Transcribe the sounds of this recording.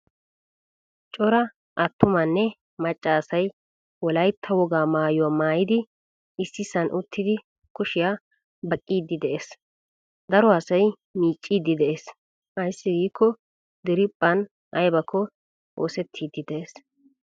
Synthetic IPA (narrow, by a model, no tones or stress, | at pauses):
t͡ʃʼɔɾɐ | ʔɐt̪ːʊmɐnːɛ | mɐt͡ʃʼːaːsɐj | wɔlɐjt̪ʰːɐwɔɡaːmaːjʊwaːmaːjɪd̪ɪ | ɪsːɪsɐnʔʊt̪ʰːɪd̪ɪ | kʊʃɪjaː | bɐkʼːiːd̪ːɪd̪ɛʔeːs | d̪ɐɾɔɐsɐj | miːt͡ʃʼːiːd̪ːɪd̪ɛʔeːs | hɐjsːɪɡiːkʰːɔ | d̪ɪɾɪpʼːɐn | ɐjbɐkʰːɔ | o̰ːsɛt̪ʰːiːd̪ːɪd̪ɛʔeːs